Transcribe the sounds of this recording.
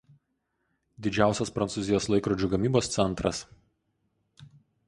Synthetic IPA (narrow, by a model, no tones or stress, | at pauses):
d̪ʲɪd͡ʒʲæˑʊsʲɛspɾɐnt̪suːzʲɪjoːslˠɐɪkɾɔd͡ʒʲuːɡɐmʲiːboːst̪sʲɛnˑt̪ɾɐs